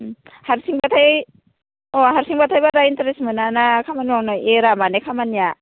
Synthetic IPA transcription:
haɾsiŋbatʰaj | ɔɦaɾsiŋbatʰajbaɾaintaɾesmɯnanakʰamanwaŋnɔeɾamanekʰamanja

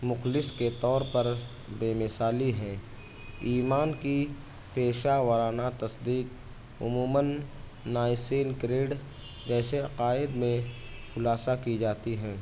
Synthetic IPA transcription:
mʊxlɪsket̪ɔːɾpəɾ | beːmɪsaːliɦɛ̃ː | iːmaːnki | peːʃawɐɾaːnat̪ɐsd̪iːq | ʊ̰muːmənː | aːɪseːnkɾeːɖ | d͡ʒɛːseɐqaːɪd̪mẽ | xʊlaːsakid͡ʒaːt̪iɦɛ̃ː

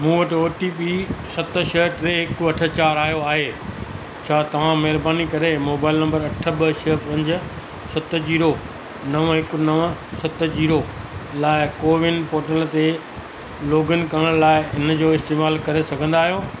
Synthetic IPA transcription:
mũːʋɐʈɪoːʈiːpisɐt̪̆ʃɐɦʈɾeɦɪkʊɐʈʰə̆t͡ɕaːɾaːjoaːɦeː | t͡ɕʰaːt̪ɐʋ̤ãmɐɦɪɾbaːnikɐɾemoːbaːɪlnɐ̃mbəɾɐʈʰə̆ɓɐʃɐɦpɐ̃ɲd͡ʑ̆ | sɐt̪d͡ʑiːɾo | nɐʋɦɪkʊ̆nɐʋsɐt̪d͡ʑiːɾo | laːɪkoːʋɪnpoːʈəlt̪e | loːɡən̆kɐɽəɽ̃laːɪɪn̆d͡ʑoːɪst̪eːmaːlkɐɾesɐɡʱə̃nd̪aːɦijoː

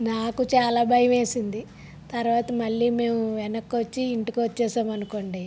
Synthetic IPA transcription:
naːkut͡ʃaːlaːbʱɐjɐme̞ːsind̪i | t̪ɐɾʋaːt̪ɐmɐɭːiːme̞ːmuʋɛnɐkːʋɐt͡ʃːiːɳʈikiʋɐt͡ʃːɛːsaːmɐnuko̞ːɳɖe

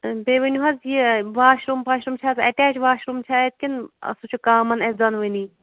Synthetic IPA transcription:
beʋɨnʲuɦɐzjiʋaːʃɾumpaʃɾumt͡ʃʰazɐʈɛːt͡ʃʋaːʃɾumt͡ʃʰaːet̪̚kʲinɐ̰sut͡ʃʰukaːmɐnezɐnʋɨni

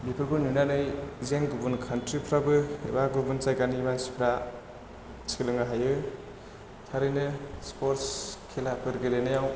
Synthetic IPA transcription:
bipʰɯɾbɯnunanɯjzeŋɡubunkʰantɾipʰɾabɯḛbaɡubunt͡ʃajɡanimansi̥pʰɾa | si̥klɯŋaɦajɯ | tʰaɾɯjnɯspoɾskʰelapʰɯɾɡɯlenɯjaw

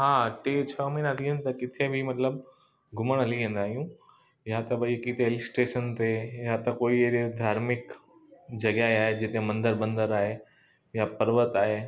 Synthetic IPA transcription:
ɦaːʈeːt͡ɕʰɐmĩnɦət̪ʰiɦə̃nt̪ɐkɪt̪ʰebʱɪmɐt̪ləb | ɡʱʊməɽ̃ɦɐliʋẽːn̆d̪aːɦijũ | jat̪ɐbɐikit̪ʰeɪlɪsʈeːʃənt̪ejat̪ɐkoːid̪ʱaːɾmɪk | d͡ʑɐɡaːeaːɦed͡ʑɪt̪emɐ̃nd̪əɾbɐ̃nd̪əɾaːɦe | japɐɾʋət̪aːɦeː

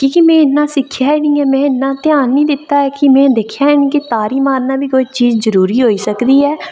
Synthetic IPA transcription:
kiːkɪmɛ̃ːɪnːãːsɪkʰːjaːɪnĩːɛːmɛ̃ːɪnːãːt̪ɪjaːnːiːd̪ɪt̪ːaːɛːkɪmɛ̃ːd̪ɪkʰjaːɛnĩːkɪt̪aːɾiːmaːɾnaːbiːkoːit͡ʃiːzzəɾuːɾiːɦoːiːsəkd̪iːɛː

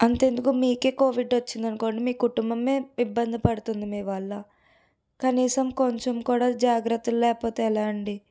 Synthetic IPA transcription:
ɐnt̪e̞ːnd̪ukumiːke̞ːko̞ːʋiɖot͡ʃːind̪ɐnko̞ːɳʈimiːkuʈumbɐme̞ːibːɐnd̪ʱipɐɽut̪und̪imiːʋɐɭːɐ | kɐniːsɐmko̞ɲt͡ʃɐmkuːɽaːd͡ʒaːɡɾɐt̪ːulɐlɛːpo̞ːt̪eːlaːɐɳɖi

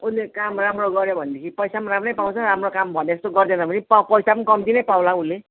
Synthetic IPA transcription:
unlekamramroɡʌɾjobʱʌnd̪ekʰipʌjsamaɾamnʌjpawt͡sʰʌɾamrokambʱʌneest̪oɡʌrd̪enʌpʌnipapʌjsapʌnikʌmd̪inʌjpawlaule

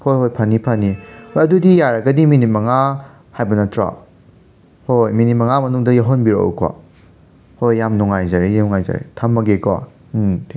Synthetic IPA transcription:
hojhojpʰɐnːipʰɐnːihojɐdudijaɾɐɡɐdiminit̚mɐŋa | hajbɐnɐtɾa̰ | hojminit̚mɐŋamɐnuŋdɐjaɦonbiɾo̰kwa̰ | hojːamnɔŋajzaɾejnɔŋajza̰ɾḛtʰɐmːɐɡeka̰ | tʰe

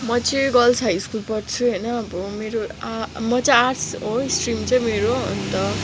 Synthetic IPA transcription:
mʌt͡siɡʌlsɦajskulpʌrt͡sʰuɦʌjnʌːbʌmeɾoamʌt͡sʌarsɦoisʈrimt͡sʌj̃meɾoʌ̰nt̪ʌ

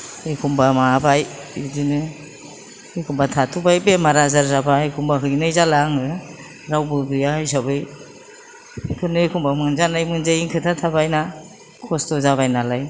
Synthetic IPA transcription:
ejkʰumbamabajidinɯ | ikʰumbatʰatʰubajbemaɾazaɾzabaɯjkʰumbaɦɯɡnɯjzalaŋɯ | ɾawbɯɡɯjaɯjs̬abɯj | kʰɯnɯkʰumbamɯnzanajmɯnzaiŋkʰɯtʰatʰabajna | kʰɔstɔzaβajnalaj

